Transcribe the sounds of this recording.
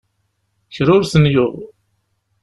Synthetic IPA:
çɾʊɾsənjʊʁ

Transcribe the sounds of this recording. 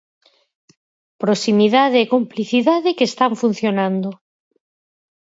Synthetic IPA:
pɾosimiðaðeːkompliθiðaðekest̪aɱfun̟θjonãnd̪o

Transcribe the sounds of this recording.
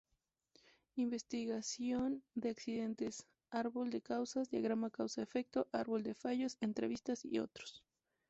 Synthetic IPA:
imbe̞st̪iɣasjo̞nd̪eaksiðe̞nt̪es | aɾβo̞ld̪e̞kawsazd̪jaɣɾamakawsaefe̞k̚t̪o̞ʔaɾβo̞ld̪e̞faʝo̞se̞nt̪ɾe̞̰βist̪asḭo̞̰t̪ɾo̥s

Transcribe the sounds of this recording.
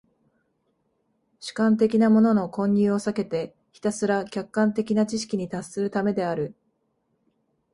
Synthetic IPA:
ɕɨ̥kãnt̪e̞kʲinamo̞no̞no̞kõ̞ɲ̟ʲːɨːo̞sake̞t̪e̞ | çi̥t̪asɨɾakʲakːãnt̪e̞kʲinat͡ɕiɕi̥kʲiɲ̟it̪asːɨɾɯ̟t̪ame̞d̪e̞aɾɯ̟

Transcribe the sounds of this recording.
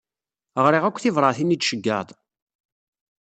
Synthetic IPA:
ʁɾˤiʁækʷːθɪvɾˤɑθinid̪ʃəɡːə̰ðˤ

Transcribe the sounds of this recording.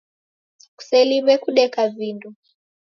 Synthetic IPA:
ku̥sɛlimɛkuɗɛkavindu

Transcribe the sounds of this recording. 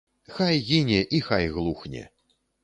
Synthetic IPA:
xajɣʲinʲɛʔixajɣlˠuxnʲɛ̰

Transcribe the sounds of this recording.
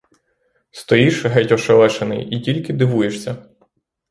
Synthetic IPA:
st̪ɔjiʃɦɛtʲɔʃelˠɛʃenɪ̰jitʲilʲkɪd̪ɪʋujeʃsʲɐ

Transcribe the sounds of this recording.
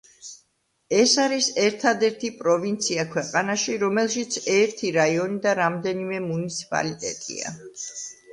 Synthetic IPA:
ɛsaɾisɛɾt̪ʰad̪ɛɾt̪ʰipʼɾɔvint̪sʰiakʰwɛqʼanaʃiɾɔmɛlˠʃit̪sʰɛɾt̪ʰiɾaiɔnid̪aɾamd̪ɛnimɛmunit̪sʰi̥pʼa̰lit̪ʼɛ̰t̪ʼḭa̰

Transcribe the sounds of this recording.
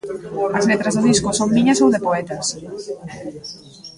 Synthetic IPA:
ɐzlet̪ɾɐzðʊðiskʊsoŋmĩɲɐsowðepoɛt̪ɐs

